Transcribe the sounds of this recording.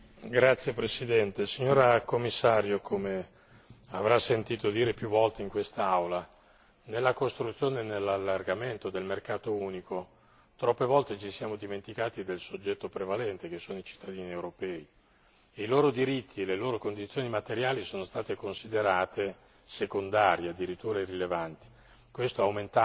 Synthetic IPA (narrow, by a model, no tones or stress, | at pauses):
ɡɾat̪sːjepɾesid̪ɛnt̪esiɲːoːɾakomːisːaːɾjokʰome | avɾasːent̪iːt̪od̪iːɾepjuvːɔlt̪eiŋkwest̪aawla | nelːakost̪ɾut̪sːjoːnenelːalːarɡament̪od̪elmerkaːt̪ouːniko | t̪ɾɔpːevɔlt̪et͡ʃisjaːmod̪iment̪ikaːt̪id̪elsod͡ʒːɛt̪ːopɾevalɛnt̪ekesːoːnoit͡ʃi̥t̪ːad̪iːniewɾopɛːi | iloːɾod̪iɾit̪ʰːieleloːɾokond̪it̪sːjoːnimat̪eɾjaːlisoːnost̪aːt̪ekonsid̪eɾaːt̪e | sekond̪aːɾjead̪ːiɾit̪ːuːɾarilevant̪i̥ | kwest̪oawment̪a